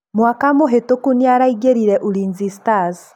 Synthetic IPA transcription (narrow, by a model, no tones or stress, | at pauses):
mwakamuɦetokuniaɾaiɡeɾiɾɛʔuliːnzistaz